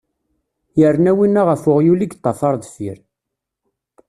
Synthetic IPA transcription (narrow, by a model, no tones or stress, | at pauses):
jəɾnæwinːaʁəfʊʁjuliɡt̪ˤːɑfɑɾˤðˤfiɾ